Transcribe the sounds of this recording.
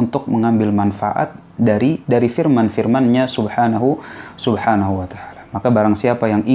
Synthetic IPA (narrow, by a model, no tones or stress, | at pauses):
unt̪ʊk̚məŋambɪlmanfa̰ʔa̰t̪̚ | daɾidaɾifirmanfirmanɲasubhanaɦusubhanaɦuwat̪aalamakabaɾaŋsiapajaŋʔi